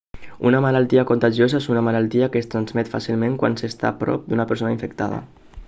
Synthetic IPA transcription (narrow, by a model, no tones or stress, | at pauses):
ṵnəmalalˠt̪iakont̪aʒiozaesunəmalalˠt̪iakəːst̪ɾanzmɛt̪fa̰silˠmeŋkwa̰nsest̪a̰pɾɔ̰p̚d̪unapəɾsonaiɱfəkt̪a̰ð̞ə̰